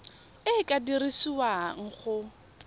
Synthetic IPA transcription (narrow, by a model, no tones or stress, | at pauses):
ɪkʼadirisiwaŋ̩χʊ